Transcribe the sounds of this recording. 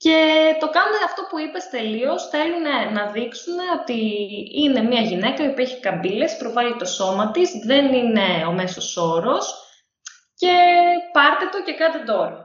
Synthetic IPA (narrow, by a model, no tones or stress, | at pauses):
ce̞t̪o̞kɐnuneɐft̪o̞puipe̞st̪e̞lio̞sθe̞lune̞nɐðiksune̞o̞t̪iine̞mɲɐʝine̞kɐiopieçi̥kɐmbile̞spɾo̞vɐlit̪o̞so̞mɐt̪izðe̞nine̞ome̞so̞so̞ɾo̞s | ce̞pɐɾt̪et̪o̞ce̞kɐt̪id̪o̞ɾɐ